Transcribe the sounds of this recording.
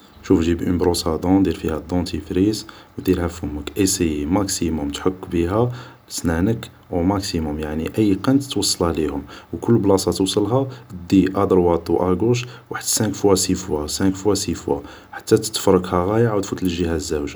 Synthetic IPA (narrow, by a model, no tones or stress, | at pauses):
ʃufʒibʔəmbɾusɑd̪ɔ̃d̪iɾfihæd̪ˤɔ̃t̪ʰifɾizwd̪iɾhæfʊmːəkʔəsijmæksimʊmt̪ħokːbiɦæ | snænək | mæksimʊmjaʕniʔəjːqænt̪t̪wɑsˤːɑlælihʊmwkʊlːblɑsˤɑt̪əwsˤɑlɦad̪iʔæd̪əɾwɑt̪ˤːuʔæɡuʃ̬ | waħəd̪sækfuæsifwasækfuwæsifwa̰ | ħḁt̪ːæt̪ə̥t̪ːfɾˤəkhæɣæjəʕwt̪fut̪ləʒihæzːæwʒ